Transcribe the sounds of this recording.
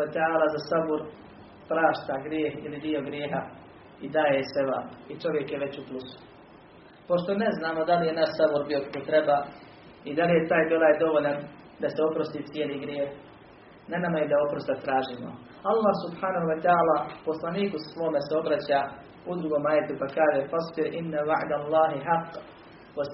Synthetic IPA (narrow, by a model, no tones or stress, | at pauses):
at̪ɛaːlaːzasabuɾ | pɾaːʃt̪aɡɾjeːhḭlid̪io̞ɡɾjeːɦa | id̪aːjeseʋa̰ːpit͡ʃo̞ʋje̞kjeʋe̞t͡ɕuplusu̥ | po̞ʃt̪o̞ne̞znaːmo̞d̪alije̞naʃsabuɾbio̞kḁkot̪ɾe̞baː | id̪alije̞t̪aːjbolaːjd̪o̞ʋoʎan | d̪ase̞opɾost̪iːt̪sijeːliɡɾjeːh | nanamajed̪aopɾost̪at̪ɾaːʒiːmo̰ | alˠːaːhsubħaːnaɦuwat̪ɛaːlaːpo̞slˠaniːkusʋo̞ːme̞seo̞bɾat͡ɕaː | ud̪ɾuɡo̞ːmaːjet̪upakaːʒefasˤbɪɾʔinːawaʕd̪alˠːaːɦiħaqː | wa